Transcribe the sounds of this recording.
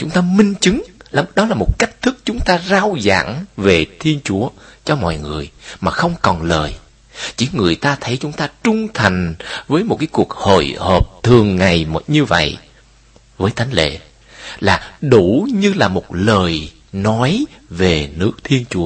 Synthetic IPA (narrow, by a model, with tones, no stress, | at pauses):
t͡ɕʊ˨˦ŋ͡mt̪aː˧mï˧ŋ̟t͡ɕɨ˨˦ŋla˨˦ɗɔ˨˦laː˨˩mo˨˩t̚ka˦˥jk̟̚t̪ʰɨ˦˥k̚t͡ɕʊ˨˦ŋ͡mt̪aː˧zaː˧wza̰ː˧˥˨ŋve˨˩t̪ʰi˧ənt͡ɕu˨˦ət͡ɕɔ˧mɔ̰˧˨jŋɨ˨˩əjmaː˨˩xə˧wŋ͡mkɔ˨˩nləː˨˩j | t͡ɕi˧˦ŋɨ˨˩əjt̪aː˧t̪ʰə˨˦jt͡ɕʊ˨˦ŋ͡mt̪aː˧t͡ɕʊ˧ŋ͡mt̪ʰa˨˩jŋ̟vəː˨˦jmo˨˩t̚kaː˨˦jku˨˩ək̚ho̰˧˨jhəː˨˩p̚t̪ʰɨ˨˩əŋːa˨˩jm˨˩ɲɨ˧və̰˧˨j | vəː˨˦jt̪ʰa˨˦jŋ̟lḛ˧˨ | laː˨˩ɗu˧˩ɲɨ˧laː˨˩mo˨˩t̚ləː˨˩j | nɔ˨˦jve˨˩nɨ˦˥ək̚t̪ʰi˧ənt͡ɕu˨˦ə